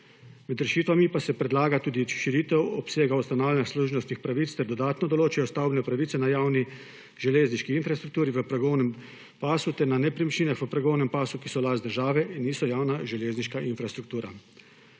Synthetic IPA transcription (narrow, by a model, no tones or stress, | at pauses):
mɛd̪ɾɛʃiːt̪ʋamipasɛpɾɛd̪laːɡat̪uːd̪iʃiɾiːt̪ɛwɔpseːɡaust̪anaːwlʲɛnaxsluʒnɔst̪nixpɾaʋiːt̪st̪ɛɾd̪ɔd̪aːt̪nɔd̪ɔloːt͡ʃajɔst̪awbnɛpɾaʋiːt̪sɛnajaːwni | ʒɛleːzniʃkiinfɾast̪ɾuk̚t̪uːɾiʋəpɾaɡownɛm | paːsut̪ɛɾnanɛpɾimiʃliːnaxʋəpɾaɡownɛmpaːsukisɔlaːzd̪əɾʒaːʋɛʔinːiːsɔjaːwnaʒɛleːzniʃkaʔinfɾast̪ɾukt̪uːɾa̰